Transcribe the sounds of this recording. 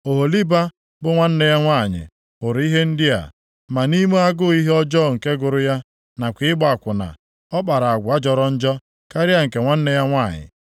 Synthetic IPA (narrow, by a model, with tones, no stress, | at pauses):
o˨ɦo˨li˦ba˦ | bʊ˦ŋʷa˦n̩˦ne˦ja˦ŋʷa˦˨ɲɪ̰˨ | ʊ˨ɾi˦ɦe˦n̩˦dɪ˦a̰˨ | ma˨ni˦me˦a˦ɡʊ˦i˦ɦe˦ɔ˦d͡ʒɔ˦˨ŋ̩˨ke˦ɡʊ˨ɾʊ˦ja˦ | na˨kʷɪ˨ɪ˦ɡ͡ba˦˨kʷʊ˨na̰˨ | ɔ˦k͡pa˨ɾa˨a˨ɡʷa˦d͡ʒɔ˨ɾɔ˦n̩˦d͡ʒɔ˦ | ka˦ɾɪ˦a˦ŋ̩˨ke˨ŋʷa˦n̩˦ne˦ja˦ŋʷa˦˨ɲɪ̰˨